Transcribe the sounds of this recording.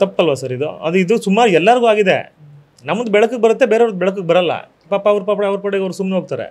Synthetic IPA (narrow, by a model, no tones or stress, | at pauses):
t̪ɐpːɐlʋɐsɐɾid̪ṵɐ̰d̪uid̪usumaːɾuɛlːɐɾɡuaːɡid̪ḛ | nɐmːund̪ubɛɭɐk̬ːuɡebɐɾɐt̪ːe̞beːɾeʋnd̪bɛɭɐk̬ːuɡebɐɾɐlːɐ̰ | paːpːɐːʋɐɾupaːpɐɽɐʋɐɾpɐɽeɡɐʋɾusumneoːɡ̚t̪aːɾḛ